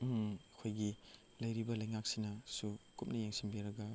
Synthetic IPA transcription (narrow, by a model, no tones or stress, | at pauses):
ɐkʰojɡi | lɐjɾibɐlɐjŋak̚sinɐsukup̚nɐjeŋsinbiɾɐɡɐ